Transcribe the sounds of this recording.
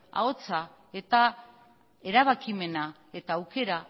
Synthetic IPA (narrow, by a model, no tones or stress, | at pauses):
a̰o̞t͡sa | e̞t̪a | e̞ɾaβ̞akime̞na | e̞t̪aːwke̞ɾa